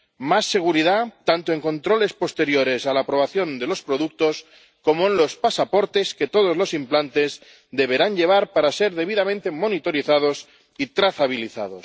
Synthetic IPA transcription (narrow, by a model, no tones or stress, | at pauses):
masːe̞ɣuɾiðat̪ant̪oe̞ŋko̞nt̪ɾo̞le̞spost̪e̞ɾjo̞ɾe̞salaːpɾo̞β̞aθjo̞nd̪elo̞spɾo̞ðuk̚t̪o̞s | ko̞moenlo̞spasapo̞ɾt̪e̞ske̞t̪oð̞o̞zlo̞simplant̪e̞z | d̪e̞βe̞ɾaɲʎe̞β̞aɾpaɾase̞ɾðe̞βiðamẽnt̪e̞mo̞nit̪o̞ɾiθað̞os | it̪ɾaθaβ̞iliθa̰ðo̞s